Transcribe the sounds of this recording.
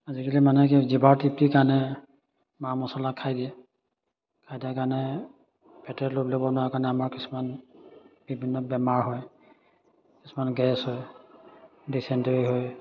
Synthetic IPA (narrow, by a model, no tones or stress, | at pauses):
azikalimanɛkɛzibaɹtip̚tikaɹnɛ | mamɔsɔlakʰːajdiɛ | kʰajdiɛkanɛ | pɛtɛtloblobɔnʊwakaɹnɛamaɹkisu̥man | bibʱinːɔbɛmaɹɦɔj | kisumanɡɛshɔj | disɛnteɹiɦoj